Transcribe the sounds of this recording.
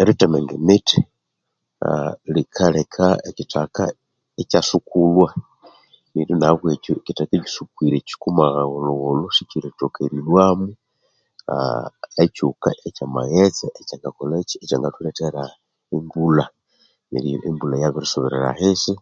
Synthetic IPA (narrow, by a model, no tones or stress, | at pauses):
eɾitameŋɡemiti | a̰likʰalekʰaecitaka | ecasukulwa | niɾinaβwecoecitakeɟi̥sukwiɾeci̥kumaɣɣoloɣoloʃiciɾetokeɾinwaːmu | a̰ecuka̰ʔecama̰ɣet͡seecaŋɡakoleciecaŋɡatuleteɾa | embula | nḛlijo̰ʔembulajaβiɾisoβiɾeɾa̰hisi